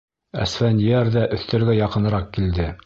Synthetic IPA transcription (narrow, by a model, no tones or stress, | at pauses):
æ̰sfænjæɾðæʔɵ̆θt̪æ̆ɾɡæjɑqɤ̆nɤ̆ɾɑqkild̪ɘ